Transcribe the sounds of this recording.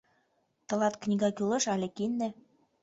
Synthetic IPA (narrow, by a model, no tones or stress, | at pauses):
t̪ɤ̆lɑt̪knʲiɡɑkulɤ̆ʃɑlʲĕkind̪ɘ̆